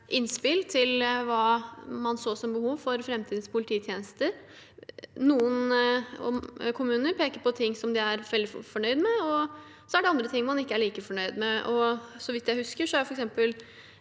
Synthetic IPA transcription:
ʔɪnspɪlt̪ʰɪlʋɑːmɑnsoːsɔmbəhuːʋfɔɾfɾɛmt̪ʰiːd̪̩spʰʊlɪt̪ʰiːt̪ʰjeːnəst̪əɾ | nuːənɔ̰kʰʊmʉːnəɾpʰeːkəɾpɔt̪ʰɪŋːsɔmd̪ɪæɾʋɛld̪ɪfɔɳœʏd̪mɛɔ | sɔæɖɛɑnd̪ɾət̪ʰɪŋːmɑnɪkːəæɭiːkəfɔɳœʏd̪mɛʔɔsɔʋɪt̪ːjæɪhʉskəʂɔæɾjfɔɾɛksɛmpəl

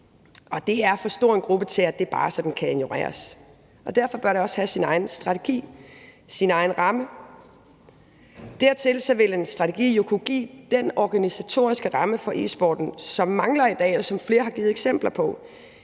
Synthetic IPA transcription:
ɒ̽d̥e̝æɐfɒ̽sd̥ɔ̰ːe̝nɡ̥ʁub̥ət͡sʰe̝læd̥e̝b̥ɑ̈ːsɒ̽d̥n̩kʰæenjo̝ʁḛːɐ̰s | ʔɒ̽d̥æɐfɒ̽b̥ɶɐɾe̝ɒ̽shæsinɑ̈ɪn̩sd̥ʁɑ̈t͡sʰe̝ɡ̥ḭːsinɑ̈ɪn̩ʁɑ̈mə | d̥æɐt͡sʰe̝lsɒ̽ʋe̝lensd̥ʁɑ̈t͡sʰeɡ̥ḭːjo̝kʰuɡ̥ḭːd̥enɒɡ̥ænisæt͡sʰo̝̰ːɐisɡ̥əʁɑ̈məfɒ̽ʔḭsb̥ɒ̰ːd̥n̩sɒ̽mːɑ̈ŋlɐid̥ɛ̰ːelɒsɒ̽mfle̝ːɐɦɑ̈ɡ̥iːð̩ˠeɡ̥sem̰b̥lɐpʰɒ̽

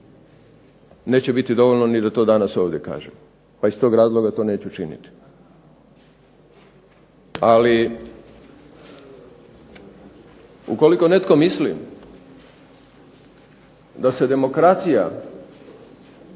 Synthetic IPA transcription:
ne̞ːt͡ɕebit̪id̪o̞ʋolnonid̪at̪o̞ːd̪anaso̞ːʋd̪je̞ka̰ːʒem | paist̪o̞ːɡɾaːzlˠo̞ɡat̪o̞ne̞ːt͡ɕut͡ʃinḭt̪i̥ | ali | ṵko̞liko̞ne̞t̪ko̞mislḭm | d̪ase̞d̪e̞mo̞kɾat̪sija̰

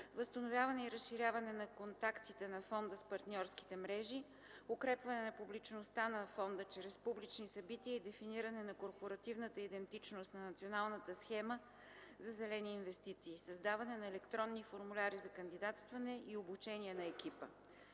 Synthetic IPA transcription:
vəst̪ɐnovʲjavɐnɛiɾəsʃiɾʲjavɐnɛnɐkont̪akt̪it̪ɛnɐfɔnd̪əspɐɾt̪nʲɔɾski̥t̪ɛmɾɛʒi | okɾɛpvɐnɛnɐpublit͡ʃnost̪anɐfɔnd̪ət͡ʃɾɛspublit͡ʃnisɐbit̪iəid̪ɛfiniɾənɛnɐkoɾpoɾɐt̪ivnət̪əid̪ɛnt̪it͡ʃnost̪nɐnɐt̪sʲionalˠnət̪əsxɛmə | zɐzɛlɛniːnvɛst̪it̪siːsɐzd̪avɐnɛnɐɛlɛkt̪ɾɔnːifoɾmulʲaɾizɐkɐnd̪id̪at̪st̪vɐnɛʔiobut͡ʃɛniɛnɐɛkipə

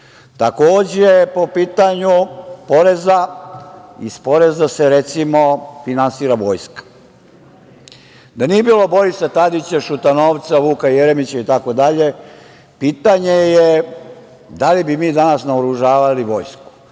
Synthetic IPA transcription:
t̪akoːd͡ʑejpo̞piːt̪aɲupo̞ɾeza | ḭspo̞ɾe̞zaseɾet̪simofinansiːɾaʋo̞ːjskḁ | d̪anijebiːlˠo̞bo̞ɾisat̪ad̪it͡ɕaʃut̪ano̞ːʋt̪saʋuːkajeɾemit͡ɕait̪ako̞d̪aʎe̞ | piːt̪aɲeje | d̪alibimiːd̪anasnaoɾuʒaːʋaliʋo̞ːjsku̥

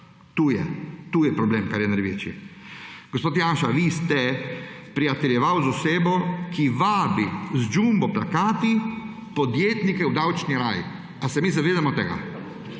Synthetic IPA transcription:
t̪uːjɛt̪uːjɛpɾɔbleːmkaɾjɛnaɾjʋeːt͡ʃiɛ | ɡ̥ospoːt̪janʃaʋist̪ɛpɾiat̪ɛljɛʋawzɔseːbɔkʰiʋaːbizd͡ʒumbɔplakaːt̪i | pɔd̪jeːt̪nikɛwd̪awt͡ʃniɾaːji | asɛmiːzaʋeːd̪amɔt̪ɛɡa̰

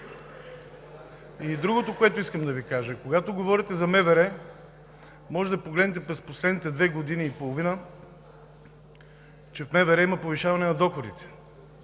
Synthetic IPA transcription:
id̪ɾuɡot̪okoɛt̪ʊiskəmd̪ɐvikaʒəkoɡat̪oɡovɔɾit̪ɛzɐmɛvɛɾɛ | mɔʒɛd̪ɐpoɡlɛd̪nɛt̪̬ɛpɾɛsposlɛd̪nit̪ɛd̪vɛɡod̪iniːpolˠovinə | t͡ʃɛfmɛvɛɾɛimɐpoviʃavɐnɛnɐd̪ɔxod̪it̪ɛ̥

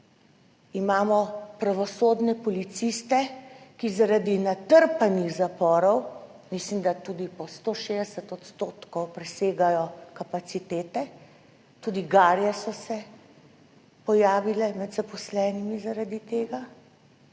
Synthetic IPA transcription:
imaːmɔpɾaʋɔsoːd̪nɛpɔlit̪sist̪ɛkizaɾad̪inat̪əɾpanixzapɔːɾɔw | mislimd̪at̪uːd̪ipɔst̪oːʃed̪ɛsət̪ɔt̪st̪oːt̪kɔwpɾɛseːɡajɔkapat̪sit̪eːt̪ɛ | t̪uːd̪iɡaːɾjɛsɔsɛ | pɔjaːʋilɛmɛd̪zapɔslɛːnimizaɾad̪it̪eːɡa

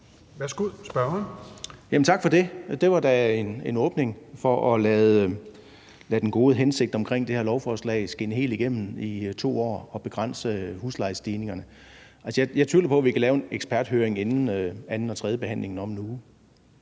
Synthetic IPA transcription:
ʋæɐsɡ̥uð̰ˠsb̥ɶɐnjæmən̩t͡sʰɑ̈ɡ̥fɒ̽de̝d̥e̝ʋɑ̈d̥æe̝nenɔ̽ːb̥ne̝ŋfɒ̽ʔɒlɛːð̩ˠ | læd̥enɡ̥o̝ːð̞ˠəɦense̝ɡ̥̚d̥ɒ̽mkʰʁeŋ̰d̥e̝heæɐlɒʊfɒːslɛ̰ɪsɡ̥e̝nəɦe̝̰ːld̥iɡ̥em̰n̩it͡sʰo̝̰ːɒ̰ːɒ̽b̥e̝ɡ̥ʁɑn̰səhuslɑ̈ɪsd̥iːne̝ŋɐnə | ʔælsəjɑjɑ̈ɪt͡sʰyɐlɐpʰɒ̽ʋikʰælɛːʊeneɡ̥sb̥ʰæɐd̥høːɐeŋenn̩øænn̩ɒ̽t͡sʰʁɛːðˠəb̥e̝ɦæn̰le̝ŋn̩ɒ̽mnu

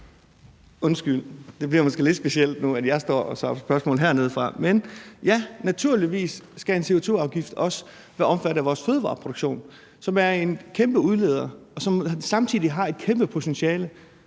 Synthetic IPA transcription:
ɔ̽nsɡ̥yl̰d̥e̝b̥liɐmosɡ̥e̝̰le̥sb̥e̝siel̰d̥nuæd̥jɑ̈ɪsd̥ɒ̰ːɒ̽sʋɑ̈sb̥ɶɐsmɔ̰̽ːlɦeɐ̰ne̝ð̞ˠfʁɑ̈menjænæt͡sʰuɐ̰liʋḭːsːɡ̥æe̝nse̝o̝t͡sʰo̝̰ːɑ̈ʊɡ̥ifd̥ɒ̽sə̥ | ʋæɐɒ̽mfæɾ̥æʋɒːsføːðˠəʋɑ̰̈ːpʰʁo̝d̥oɡ̥ɕo̝̰ːn | sɒ̽mæɐe̝nkʰemb̥əuð̞ˠle̝ːð̞ˠɐɒ̽sɒ̽msɑ̈mt͡sʰiðˠiɦɑ̈e̝d̥̚kʰemb̥əpʰo̝t͡sʰenɕiɛːlə

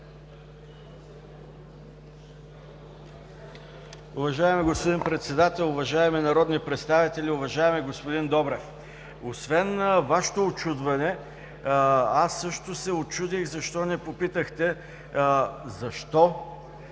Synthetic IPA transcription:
ʊvɐʒaɛmiɡospod̪inpɾɛt̪sɛd̪at̪ɛlˠʊvɐʒaɛminɐɾɔd̪nipɾɛt̪st̪avit̪ɛlʲiʊvɐʒaɛmɛɡospod̪ind̪ɔbɾɛf | osvɛnvaʃe̥t̪oot͡ʃud̪vɐnɛ | asːɤʃt̪osɛot͡ʃud̪ixzɐʃt̪ɔnɛpopit̪əxt̪ɛ | zɐʃt̪ɔ

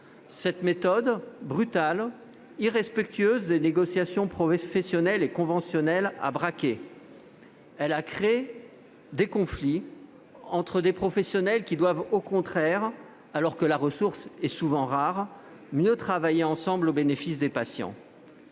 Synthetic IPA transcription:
sɛt̪met̪ɔd̪bʁyt̪al | iʁɛspɛk̚t̪ɥøzd̪eneɡɔsjasjɔ̃pχɔfɛsjɔnɛlekɔ̃vɑ̃sjɔnɛla̰bʁakʲe | ɛlakχee | d̪ekɔ̃fli | ɑ̃t̪χəd̪epχɔfɛsjɔnɛlkʲid̪wavokɔ̃t̪χɛʁ | alɔʁkəlaʁəsuʁsɛsuvɑ̃ʁaʁ | mjøt̪χavajeɑ̃sɑ̃blobenefisd̪epasjɑ̰̃

